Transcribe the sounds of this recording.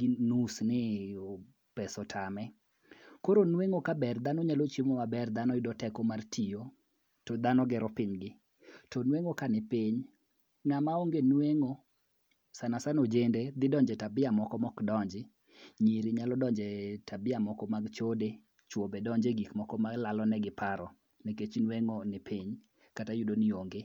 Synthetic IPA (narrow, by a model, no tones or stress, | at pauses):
ɡinusnɪ | pɛsɔtʰamɛ | koɾonweŋokabɛrd̪anɔɲalot͡ʃimɔwabɛrd̪anɔɪdɔtɛkɔmartʰijo | tɔd̪anɔɡɛɾɔpɪɲɡɪ | tɔnweŋokanɪpɪɲ | ŋamaoŋɡenweŋo | sanasanod͡ʒended̪ɪdɔɲd͡ʒɛtabɪamɔkɔmɔkdɔɲd͡ʒɪ | ɲiɾiɲalɔdɔɲd͡ʒɛtabɪamɔkɔmaɡt͡ʃode | t͡ʃwobedɔɲd͡ʒeɡikmɔkɔmaɡlalɔnɛɡɪpaɾɔ | neket͡ʃnweŋonɪpʰiɲ | katajʊdonioŋɡe